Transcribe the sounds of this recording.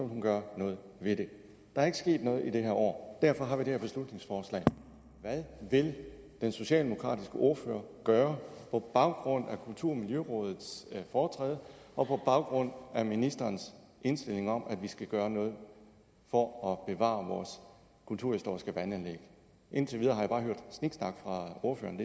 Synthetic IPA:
hunɡ̥ɶɐnɔ̽ːð̩ˠʋe̝ɾ̥e̝ | d̥ɑ̈æɐe̝ɡ̥əsɡ̥e̝̰ːd̥nɔ̽ːð̞̩ˠide̝ɦæɐɒ̰ːd̥æɐfɒ̽ɦɑ̈ʋid̥e̝hæɐbe̝slud̥ne̝ŋsfɒːslɛ̰ɪ | ʋæðˠʋe̝l | d̥enso̝ɕɛ̰ːld̥e̝mo̝kʰʁɑ̰̈ːd̥isɡ̥əʔo̝ɐfø̰ːɐɡ̥ɶːɐpʰɒ̽b̥ɑ̈ʊɡ̥ʁɔ̽n̰ækʰult͡sʰuɐ̰miljøʁɔ̽ːð̞ˠð̩ˠsfɒːt͡sʰʁɛ̰ːð̞ˠʔɒ̽pʰɒ̽b̥ɑ̈ʊɡ̥ʁɔ̽n̰æminisd̥ɐːns | e̝nsd̥e̝le̝ŋɒ̽m̰ʔæʋisɡ̥æɡ̥ɶːɐnɔ̽ːð̞̩ˠ | fɒ̽ɒ̽b̥e̝ʋɑ̰̈ːʋɒːs | kʰult͡sʰuɐ̰hisd̥o̝ɐ̰isɡ̥əʋænænleɡ̥ə | ʔe̝n̰t͡sʰeʋið̞ˠɐːɦɑ̈jab̥ɑ̈ːɦøɐ̰d̥sniɡ̥snɑ̈ɡ̥fʁɑ̈o̝ɐfø̰ːɐnd̥

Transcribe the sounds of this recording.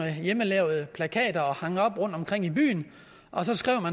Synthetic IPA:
əjeməlɛʊð̩ˠəpʰlækʰɛ̰ːd̥ɐɒ̽hɑ̈ŋəɒ̽b̥ʁɔ̽n̰d̥ɒ̽mkʰʁeŋ̰iby̰ːn | ʔɒ̽sɒ̽sɡ̥ʁiʊ̰mæn

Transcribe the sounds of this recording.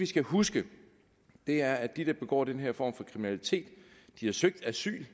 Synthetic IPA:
ʋisɡ̥æhusɡ̥ə | d̥e̝æɐæ̥id̥ɑ̈b̥e̝ɡ̥ɒ̰ːd̥enɦeɐ̰fɒ̰ːmfɒ̽kʰʁiminælit͡sʰe̝̰ːd̥d̥ihɑ̈søɡ̥̚d̥æsy̰ːl

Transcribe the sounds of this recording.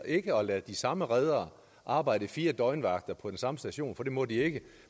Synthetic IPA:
ʔe̝ɡ̥əɒ̽læd̥isɑ̈məʁɛð̞ˠɐː | ʔɑ̈ːb̥ɑ̈ɪ̰d̥əfiːɐd̥ɒ̽ɪnʋɑ̈ɡ̥̚d̥ɐpʰɒ̽d̥ensɑ̈məsd̥æɕo̝̰ːnfɒ̽d̥e̝mɒ̽d̥ie̝ɡ̥ə

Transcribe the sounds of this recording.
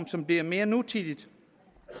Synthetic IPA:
msɒ̽mbliɐ̰me̝ːɐnut͡sʰid̥id̥

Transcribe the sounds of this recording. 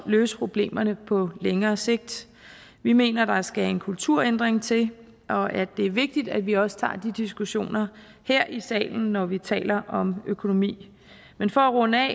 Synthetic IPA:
løːsə̥pʰʁo̝b̥le̝̰ːmɐnəpʰɒ̽leŋɐːse̝ɡ̥̚d̥ | ʋime̝̰ːnɐd̥ɑ̈sɡ̥æe̝nkʰult͡sʰuɐ̰end̥ʁeŋt͡sʰe̝l | ʔɒ̽ʔæ̥ːe̝æɐʋe̝ɡ̥̚d̥id̥æd̥ʋiɒ̽sə̥t͡sʰɑ̰̈ːd̥id̥isɡ̥uɕo̝̰ːnɐ | heɐ̰ʔisɛ̰ːln̩ːɒʋit͡sʰɛ̰ːlɐʔɒ̽møkʰo̝no̝mḭː | menfɒ̽æʁɔ̽nɛ

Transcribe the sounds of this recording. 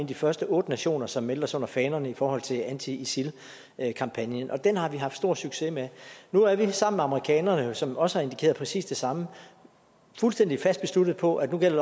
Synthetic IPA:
nd̥ifɶɐsd̥əʔɔ̽ːd̥ənæɕo̝̰ːnɐsɒ̽mːeld̥ɐsɔ̽n̰ɐfɛːnɐnəifɒːhɒ̽l̰t͡sʰe̝lænt͡sʰiisil | kʰɑ̈mpʰænjənʔɒ̽d̥enhɑ̈ʋiɦɑ̈fd̥sd̥o̝ɐ̰syɡ̥se̝menuæɐʋisɑ̈m̰m̩meɑ̈məʁikʰɛ̰ːnɐnəsɒ̽mɒ̽səhɑ̈e̝nd̥ikʰe̝̰ːɐð̩ˠpʰʁɛsḭːsd̥e̝sɑ̈mə | fulsd̥en̰d̥ifæsd̥̚b̥e̝sluɾ̥ð̩ˠpʰɒ̽ʔæ̥nuɡ̥el̰ɐ

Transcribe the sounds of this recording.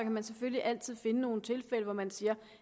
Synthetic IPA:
kʰæmænsefølliʔæl̰t͡sʰið̞̰ˠfe̝nəno̝ːn̩t͡sʰe̝lfel̰əʋɒmænsiːɐ

